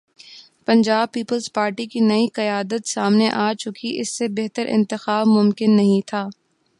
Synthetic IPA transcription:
pɐ̃ɲd͡ʒaːb̚piːpəlzpaːɾʈikinɐiqɐjaːd̪ət̪saːmneʔaːt͡ʃʊkiʔɪsːebeɦt̪əɾʔɪ̰̃nt̪ɪxaːbmʊmkɪnːɐɦĩt̪ʰaː

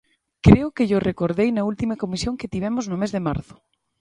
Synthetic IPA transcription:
kɾeʊkeʎorʔekoɾðejnɐult̪imɐkomisjoŋket̪iβ̞ɛmʊznʊmezðema̰ɾθʊ̥

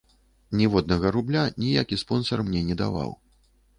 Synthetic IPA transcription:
nʲɛvɔd̪nɐɣɐɾublʲanʲijakʲispɔnsɐrmnʲɛnʲɛd̪a̰va̰w

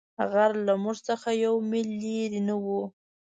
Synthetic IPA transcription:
ɣaɾlamuʐt͡səxajawmɪlːiɾinawu

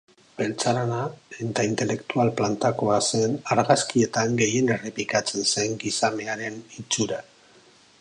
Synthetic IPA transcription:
be̞lt͡saɾanaet̪aint̪e̞le̞kt̪ualplant̪ako̞ase̞naɾɣaskie̞t̪aŋɡe̞je̞ne̞replikat͡se̞nse̞ŋɡisame̞aɾe̞nit͡suɾa

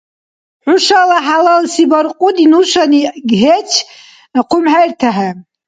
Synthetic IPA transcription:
ħʷʊʂalaħalalsibarqʼʊdinuʃʷaniɡʲɦet͡ʃʰ | aqʰʷʊmħajrtʰaħa

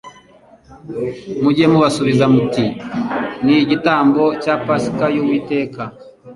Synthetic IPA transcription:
muɟemuβasuβizamuti | niɟitaːmbo̞capaskajowiːte̞ːka

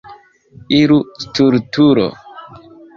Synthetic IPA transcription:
iɾustuɾtuɾo̰

